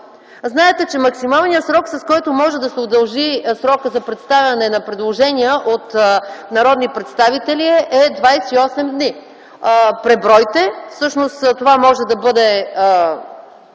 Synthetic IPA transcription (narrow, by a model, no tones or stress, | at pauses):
znaɛt̪ɛt͡ʃɛmɐksimalˠnijəsɾɔksɐskɔjt̪omɔʒɛd̪ɐsɛod̪ɐlˠʒisɾɔkəzɐpɾɛt̪st̪avʲɐnɛnɐpɾɛd̪lˠoʒɛniəʔot̪nɐɾɔd̪nipɾɛt̪st̪avit̪ɛliʔɛd̪vajsɛiɔsɛmd̪ni | pɾɛbɾɔjt̪ɛfsɤʃnost̪t̪ovamɔʒɛd̪ɐbɤd̪ɛ